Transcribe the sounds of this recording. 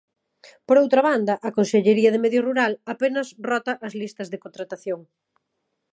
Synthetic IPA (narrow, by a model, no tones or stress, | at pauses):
poɾowt̪ɾɐβand̪ɐʔɐkonseʎeɾiɐðɪmɛðjʊruɾalapenɐsrɔt̪ɐʔɐzlist̪ɐzðekõnt̪ɾat̪aθjoŋ